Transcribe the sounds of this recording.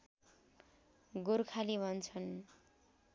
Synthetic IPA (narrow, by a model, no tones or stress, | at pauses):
ɡurkʰalibʱʌnt͡sʰʌn